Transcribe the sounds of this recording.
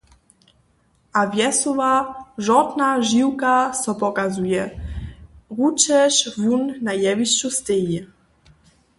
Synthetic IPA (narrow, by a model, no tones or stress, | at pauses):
ʔavjɛsɔvaʒɔt̪naʒiwkasɔpɔkazujɛ | ʁut͡ʃɛʃvjunːajɛviʃt͡ɕust̪eji